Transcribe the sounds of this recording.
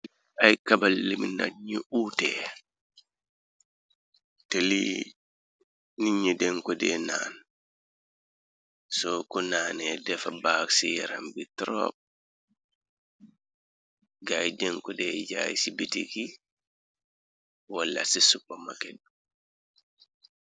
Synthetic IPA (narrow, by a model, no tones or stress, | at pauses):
ʔajkabalːimina̰ɲiʔuːtɛ | teli | niɲːɛdɛŋkɔdɛna̰ːn | sɔkunaːnɛdɛfabaːksijɛɾa̰mbitɾɔ̰b̚ | ɡajdɛŋkɔdɛd͡ʒaːjisibitiki | walːa̰sisubɔma̰kɛdu